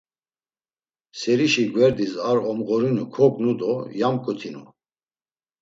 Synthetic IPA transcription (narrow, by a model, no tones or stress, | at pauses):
sɛɾiʃiɡwɛɾd̪isaɾɔmʁɔɾinukʰɔkʼnud̪ɔjamkʼut̪ʰinṵ